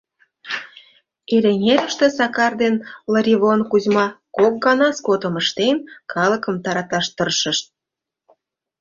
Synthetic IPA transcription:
eleŋʲeɾəʃt̪ĕsɑkɑrd̪enləɾʲiβonkuzmɑkok̚ɡɑnɑskot̪ə̆məʃt̪enkʰɑləkə̆mt̪ɑɾɑt̪ɑʃt̪ərʃə̆ʃt̪̚

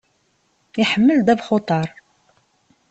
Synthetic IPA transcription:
iħəmːəld̪ævχot̪ˤɑɾˤ

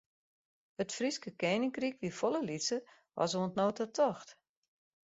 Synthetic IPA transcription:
ətfriskəkeːnɪŋkrik̚ʋifoləlisə | ʋɔ̰soəntnoːtətʰɔxt

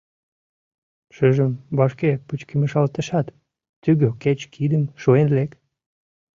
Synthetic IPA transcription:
ʃəʒəmβɑʃkeput͡ɕkəməʃɑlt̪əʃɑt̪ː | yɣøket͡ɕkʰid̪əmʃoenlek

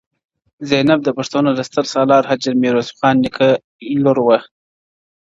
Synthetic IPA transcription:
zenab̚d̪əpaʂt̪onod̪əst̪əɾsɑlɑːɾhad͡ʒaɾmiɾosxɑːnːikʰa | loɾwa

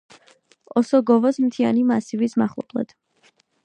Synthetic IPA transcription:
ɔsɔɡɔvɔsmt̪ʰianimasivismaχlˠɔ̰pʼlˠɛ̰d̪̥

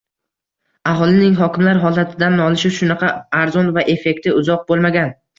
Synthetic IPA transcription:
aɦɒlˠɪnɪŋɦɒkʲɪmlaɾɦɒlat̪ʰɪd̪anɒlˠɪʃɪʃʊnɑqʰɑːɾzɒnvaʔe̞fe̞k̚ʲt̪ʰɪʊzɒq̚bolˠmaɡʲan

